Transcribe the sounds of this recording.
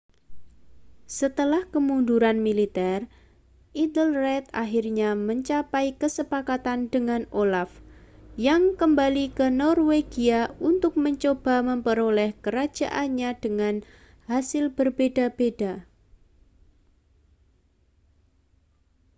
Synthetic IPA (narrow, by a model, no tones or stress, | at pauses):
sət̪əlahkəmunduɾanmilit̪ɛr | ʔid̪əlrɛt̪a̰ɦirɲaməɲt͡ʃapaikəsəpakat̪andəŋanolafjaŋkəmbalikənɔrweɡiaunt̪ʊk̚məɲt͡ʃob̥a̤məmpəɾolɛhkəɾḁd͡ʒ̥aʔaɲad̥əŋan | hasɪlb̥ərbedab̥ed̥a